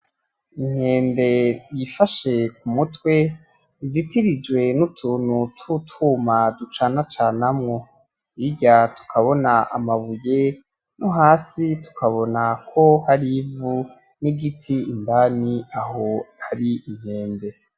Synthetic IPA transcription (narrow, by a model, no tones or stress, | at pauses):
iŋ̥he̞ːnde̞jifaʃe̞k̚umutwe̞ | zitiɾid͡ʒwe̞nutʰuːnhutʰutʰumadut͡ʃanat͡ʃaːnamŋo̞ | iɟatu̥kʰaβo̞naa̰maβuje̞ | nuɦaːsitu̥kaβo̞nakʰo̞haɾivu | niɡitʰiːndaniahohaɾiiŋ̥he̞ːnde̞